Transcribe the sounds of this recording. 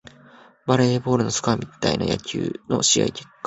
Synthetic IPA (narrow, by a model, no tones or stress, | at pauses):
baɾe̞bo̞ːɾɯ̟no̞sɨ̥kɯamʲit̪ainaja̰kʲɨ̰ːno̞̰ɕija̰ikʲe̞̥kːḁ